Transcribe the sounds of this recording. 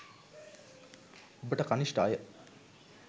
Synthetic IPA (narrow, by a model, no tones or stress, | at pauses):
obəʈəkaniʃʈa̰ːjə